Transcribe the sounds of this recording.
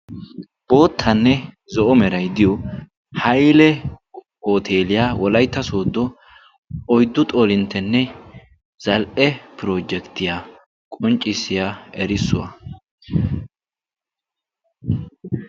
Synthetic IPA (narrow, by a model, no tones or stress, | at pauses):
b̥o̞ːt̪ʰːɐnːɛ | zɔʔɔmɛɾɐjd̪ɪjɔ | hɐjlɛ | oːt̪ʰe̞ːlɪjaːwɔlɐjt̪ːɐso̞ːd̪ːɔ | ɔjd̪ːʊt̪ʼoːlɪnt̪ːɛnːɛ | z̥ɐlʔɛpɾo̞ːd͡ʒɛkt̪ɪjaː | kʼɔnt͡ʃʼːɪsːɪjaːɛɾɪsːʊwɐ̰